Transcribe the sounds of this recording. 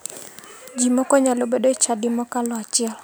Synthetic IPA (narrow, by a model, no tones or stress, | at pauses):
d͡ʒimɔkɔɲalobedoet͡ʃadɪmɔkalɔat͡ʃɪɛl